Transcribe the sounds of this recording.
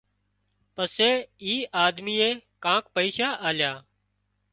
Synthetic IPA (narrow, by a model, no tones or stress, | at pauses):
pəseːiːʔaːd̪miːeːkãːkpəiːʃaːʔaːljaː